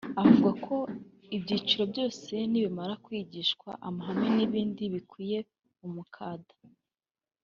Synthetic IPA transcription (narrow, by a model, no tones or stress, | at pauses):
avuɡakʰo̞ | ibɟiːt͡ʃiɾo̞bjo̞ːse̞niβimaɾakwiːɟiːʃkwa̰ʔamaɦameniβiːndiβikʰwiːje̞ | umukʰaːdḁ